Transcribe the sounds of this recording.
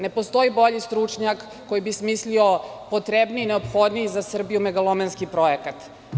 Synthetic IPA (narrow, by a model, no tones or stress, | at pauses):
ne̞post̪o̞ibo̞ʎist̪ɾut͡ʂɲakːojibismisliopot̪ɾebniine̞opxo̞d̪nijizasr̩bijumeɡalˠomenskipɾo̞ekat̪